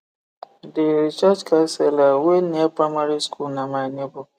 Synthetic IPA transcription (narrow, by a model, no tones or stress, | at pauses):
dɪɾit͡ʃad͡ʒkanselaweniapamaɾiskʰunamanebʊ